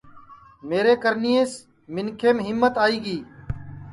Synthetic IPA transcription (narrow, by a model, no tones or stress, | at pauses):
meːɾeːkəɾnijeːs | mɪnkʰeːmɦɪmːət̪aːiːɡiː